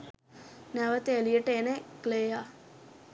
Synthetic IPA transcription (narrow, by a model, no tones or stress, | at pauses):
næʋət̪eelijəʈəenekleːja